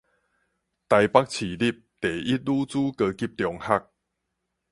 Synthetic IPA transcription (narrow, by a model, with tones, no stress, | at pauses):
t̪a˧jpa˦˥k̚t͡ɕʰi˨˩li˦˩p̚t̪e˨˩ʔi˦t̪̚luː˦t͡suː˦kə˧ki˦p̚t̪jɔ˧ŋha˦k̚